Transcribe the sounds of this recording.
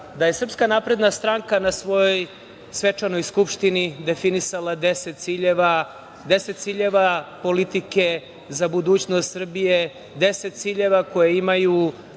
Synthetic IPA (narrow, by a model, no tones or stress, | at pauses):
d̪aje̞sr̩pskanapɾe̞d̪nast̪ɾaŋkanasʋo̞joj | sʋe̞t͡ʂano̞jskupʂt̪inid̪e̞finisalˠad̪eset̪̚t̪siʎeʋa | d̪e̞set̪siːʎe̞ʋapo̞lit̪ike̞ | zabud̪uːt͡ɕnost̪sr̩bije | d̪e̞se̞t̪̚t̪siːʎe̞ʋako̞jeimaju